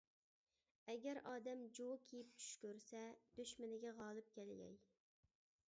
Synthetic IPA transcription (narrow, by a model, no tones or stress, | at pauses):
ɛɡʲɛɾʔɑːd̪ɛmd͡ʒowkʲʰejip̚t͡ʃʰy̥ʃkʲøɾsɛd̪̥øʃmɪnɪɡʲɛʁɑːlˠɨp̚kʲʰɛlɡʲɛ̰j